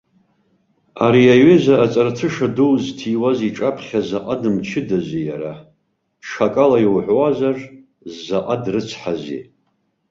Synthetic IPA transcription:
aɾiaɥɪzaːt͡sʼartʰɨʂaduztʰiːwaziʈ͡ʂʼapʰχʲazaqʼadɨmt͡ʃʰɪdazijaɾa | ʂʰakʼalajiwħʷwazar | zːaqʼadrɨt͡sʰħazḭ

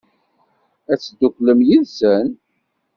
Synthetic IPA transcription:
æt͡sːd̪ːukləmjinsən

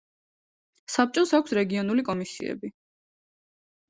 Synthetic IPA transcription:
sap̚t͡ʃʼɔsakʷʰsɾɛɡiɔnulikʼɔmisḭɛ̰bi

